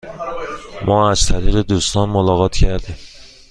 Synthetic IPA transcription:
mɒːæz̥t̪ʰæɾiːɣed̪uːst̪ɒːnmolɒːɣɒːt̪ʰcʰæɾd̪im

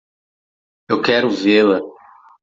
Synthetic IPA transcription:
ewkɛɾʊvelɐ

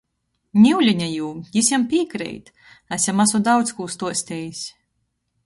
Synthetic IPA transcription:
nʲiwlʲiɲʲajuːjisʲɛmpʲiːkɾɛ̰jt̪ | æsʲɛmːasud̪awt̪skuːst̪uɔsʲt̪ʲɛjisʲ

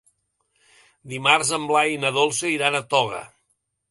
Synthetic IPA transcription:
d̪imarzəmblajnəðolˠsəiɾanət̪ɔɣə̰

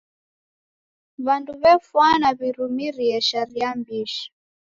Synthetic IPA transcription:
βanduβɛfwanaβiɾumiɾiɛʃaɾiambiʃi̥

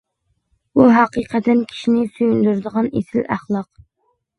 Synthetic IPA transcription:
buɦɑqiqʰɛt̪ʰɛnkʲʰi̥ʃinɪsyjynd̪yɾd̪əʁɑnḛsɪlæχlˠɑq

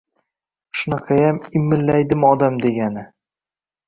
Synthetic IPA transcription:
ʃʊnɑqʰɑjamɪmːɪlːajd̪ɪmɒd̪amd̪e̞ɡʲanɪ

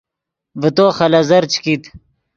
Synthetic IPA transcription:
vət̪oːxɐlɐzɐɾt͡ɕkit̪

